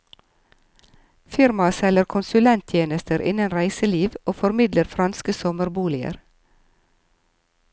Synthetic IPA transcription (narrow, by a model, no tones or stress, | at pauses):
fɪɾmɑsɛləɾkʰʊnsʉlɛnt̪ʰjeːnəst̪əɾʔɪ̰nənɾæɪsəliːʋʔoːfɔɾmɪd̪ləɾfɾɑnskəsɔməɾbuːlɪə̰ɾ